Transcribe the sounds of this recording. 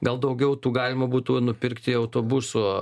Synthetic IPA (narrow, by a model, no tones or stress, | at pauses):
ɡɐlˠd̪ɐʊɡʲɛʊt̪uːɡɑːlʲɪmɐbuːt̪unʊpʲɪrkt̪ʲɪɐʊt̪oːbʊsʊ